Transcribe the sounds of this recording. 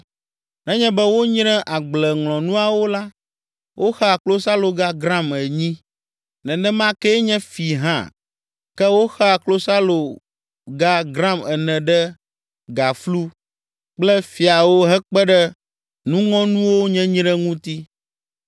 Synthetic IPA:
nɛ̃˦ɲɛ̃˦bɛ˦wo˦ɲ̃˦ɾɛ̃˦ʔa˨ɡ͡blɛ˨ŋlɔ̃˨nũ˦a˨wo˦la˦ | wʔo˦xa˨klo˦sa˦lo˨ɡa˦ɡɾã˦mɛ˨ɲĩ˦ | nɛ̃˨nɛ̃˦mã˦kɛ˦ɲɛ̃˦fi˨ɦã̰˦˨ | kɛ˦wo˦xɛ˦a˨klo˦sa˦lo˨ | ɡa˦ɡɾã˦mɛ˨nɛ̃˨ɖɛ˦ | ɡa˨flu˦ | k͡plɛ˦fi˨a˨wo˦ɦɛ˦k͡pɛ˦ɖɛ˦ | nũ˦ŋɔ̃˦nũ˦wo˦ɲɛ̃˦ɲĩ˦ɖɛ˦ŋũ˦t̪i˦

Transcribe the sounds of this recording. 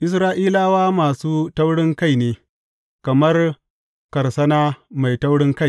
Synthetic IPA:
ʔɪ˨s̬ɾaː˦ʔiː˦laː˦waː˦maː˨suː˦tɐ˦wɽɪ˦ŋka˦˨jneː˨ | kɐ˨mɐ˦r | kɐ˨rsɐ˦naː˦ma˨jta˦wɽɪ˦ŋka˦j

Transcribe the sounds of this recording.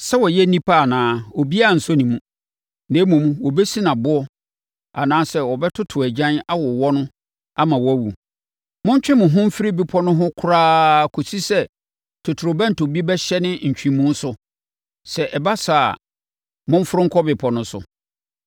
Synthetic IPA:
sɛ˦wɔ˨jɛ˦nĩ˦pʰa˦a˨nãː˨˦ɔ˨bi˦a˦˨n̩˨sʊ˦nĩ˨mũ˦˨ | nẽː˨˦mʊ̃˨mũ˦wɔ˨bɛ˦si˦nã˨bʊ˦ɔ˦ | a˨nãː˦sɛ˦˨wɔ˨bɛ˦tʰʊ˦tʰʊ˨æ˨d͡ʑã˦na˦wɔ˨wɔ˦nʊ̃˦ | a˦mã˨wɔ˦˨wu˨ | mʊ̃˦ɲ˦t͡ɕᶣɪ̃˦mʊ̃˨ɦʊ̃˦m̩˦fɪ˦ɾɪ˦bɪ˦pʰɔ˦nʊ̃˦ɦʊ̃˦kʰʊ˦ɾaː˦kʰo˨si˦sɛ˦ | tʰʊ˨tʰʊ˨ɾo˨bã˦n̩˨tʰo˨bi˦bɛ˦ɕɛ˦nɪ̃˦ɲ̩˨t͡ɕᶣĩ˨mũ˦n̩˦sʊ˨ | sɛ˨ʔɛ˨ba˦sa˨a̰˨ | mʊ̃˦ɱ˦fʊ˦ɾʊ̃˦ŋ̩˦kʰɔ˦bɪ˨pʰɔ˨nʊ̃˦sʊ̰˨

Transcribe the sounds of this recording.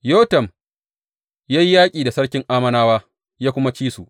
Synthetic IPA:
joː˦tɐ˨m | ja˦ji˦jaː˦kʲʼiː˨da˨sɐ˦ɽkʲɪ˦ŋʔaː˦mɐ˦naː˦waː˦ | jaː˦kʷʊ˦ma˦t͡ʃiː˦su˨ʔ

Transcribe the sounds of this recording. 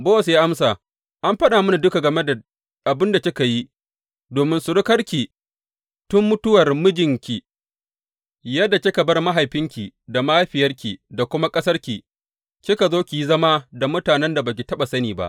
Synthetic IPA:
boː˦wɐ˨s̬jaː˦ʔa˦msaː˨ | ʔa˦mɸɐ˦ɗaː˨mʊ˦ni˨dʊ˦ka˨ɡɐ˨me˦da˨ | ʔa˨bɪ˦nda˨t͡ʃʲɪ˦ka˨ji˦ | doː˨mɪ˦nsʊ˨ɽɪ˦kɐ˦rkʲi˨ | tʊ˦mːʊ˦tʊ˦wɐ˨rmʊ˦d͡ʒɪ˨ŋkʲi˨ | jɐ˦dːa˨kʲɪ˦ka˨bɐ˦rma˦ɦa˨jɸɪ˦ŋkʲi˨da˨maː˦ɸɪ˨jɐ˦rkʲi˨da˨kʷʊ˦ma˦kʼɐ˦sɐ˦rkʲi˨ | kʲɪ˦ka˨zoː˦kʲi˨ji˦zɐ˦ma˦da˨mʊ˦taː˨nɛ˦nda˨ba˨k̬ʲi˨tɐ˦ɓa˨sɐ˦niː˨ba̰˦ʔ

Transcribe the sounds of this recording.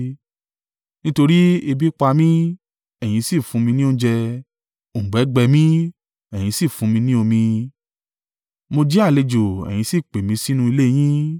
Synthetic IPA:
nĩ˦to˧ɾi˦e˧bi˦k͡pa˧mĩ˦ | ɛ˨j̃ĩ˨˧˦si˦˨fũ˧mĩ˧nĩ˦o˦d͡ʒɛ˧˨ | ɡ͡bɛ˨˦ɡ͡bɛ˧mĩ˦ | ɛ˨j̃ĩ˧si˦˨fũ˧mĩ˧nĩ˦o˧mĩ˧ | mo˧d͡ʒɛ˦a˦˨le˧d͡ʒo˨ɛ̰˨j̃ĩ˨˧˦si˦˨k͡pe˨mĩ˧si˦nũ˧˦i˧le˦˨j̃ĩ˦

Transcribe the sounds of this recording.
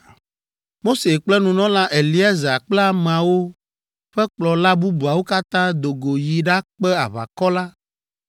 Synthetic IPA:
mo˦se˨k͡plɛ˦nũ˨nɔ̃˦lã˦ʔe˨li˦ɛ˦za˨k͡plɛ˦a˦˨mẽ˨a˨wo˦ | ɸɛ˦k͡plɔ˨la˦bu˦bu˨a˨wo˦ka˦t̪ã˦d̪o˨ɡo˨ji˨ɖa˦k͡pɛ˦a˨βa̰˨kɔ˦la˦

